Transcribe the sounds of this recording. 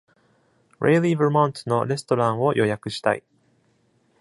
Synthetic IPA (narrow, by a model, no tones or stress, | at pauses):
ɾʔeiliβɯmõnt̪no̞ɾe̞sɨ̥t̪o̞ɾãɰ̃o̞jʔo̞jakɯ̟ɕi̥t̪a̰ḭ